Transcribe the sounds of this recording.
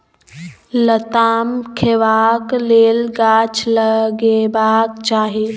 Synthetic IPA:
lət̪aːmkʰeʋaːkleːlɡaːt͡ʃʰləɡebaːkt͡ʃaːɦe

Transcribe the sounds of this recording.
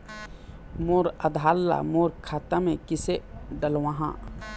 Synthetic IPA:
moːɾəd̪ʱaːlːa̰moːɾkʰaːt̪amẽkɪseɖəlwãɦã̰ː

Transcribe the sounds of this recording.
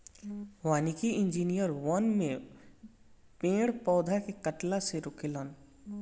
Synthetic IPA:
waːnikiɪ̃nd͡ʒiːnijəɾwɔnmẽ | pẽːɽpɔːd̪ʱakekɐʈlaseɾʊkelən

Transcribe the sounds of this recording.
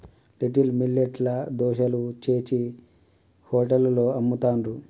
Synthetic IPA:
liʈilmilːeʈlɐd̪ɔːʃɐlut͡ʃe̞ːt͡ʃi | hoːʈɐlloːɐmːut̪aːnɾu

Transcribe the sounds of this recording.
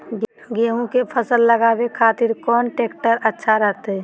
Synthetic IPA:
ɡeɦũkepʰəsəlːəɡaːbekʰaːt̪ɪɾkɔːnʈeːkʈəɾətːʃʰaɾəɦt̪eɛ

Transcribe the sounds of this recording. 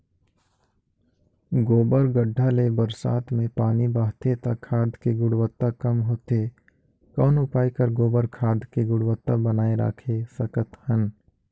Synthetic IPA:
ɡoːbəɾɡəɖʱːalebəɾsa̰ːt̪mẽpaːnibaːɦt̪et̪akʰːaːd̪keɡʊɽwət̪ːakɐmɦoːt̪e | kɔːnʊpaːikəɾɡoːbəɾkʰaːd̪ʱkeɡʊɽwət̪ːabənaːeɾa̰ːkʰesɐkət̪hən

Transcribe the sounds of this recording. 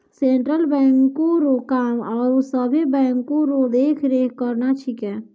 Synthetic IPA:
sẽːɳʈɾəlbɛ̃ːŋkːoɾokaːmɔːɾosəbʱibɛ̃ːŋkːoɾod̪eːkʰɾeːkʰkəɾnat͡ʃʰikɛ̃ː

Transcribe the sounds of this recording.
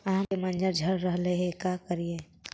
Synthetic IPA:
ɐɦãpemənd͡ʒəɾd͡ʒʱəɾːəɦleɦekakəɾie

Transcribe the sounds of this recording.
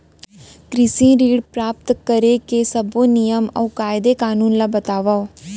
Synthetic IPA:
kɾɪsĩːɾiːɽpɾaːp̚t̪kəɾeːkesəbõːnɪjəmə̰ːkaːɪd̪eːkaːnuːnlaːbət̪aːʋaːo

